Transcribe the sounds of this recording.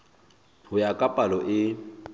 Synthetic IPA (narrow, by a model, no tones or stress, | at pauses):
hʊjakʼapʼalɔʔɪ